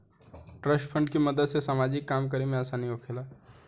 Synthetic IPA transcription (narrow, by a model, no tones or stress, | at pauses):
ʈɾəʃpʰəɳɖkiməd̪əd̪sesamad͡ʒikːaːmk̬əɾimẽəsaniokʰela